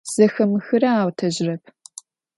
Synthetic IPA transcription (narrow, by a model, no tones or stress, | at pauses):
z̥ɐxɐmɨxɨɾɐaːwtʰɐʑrɐp̚ʰ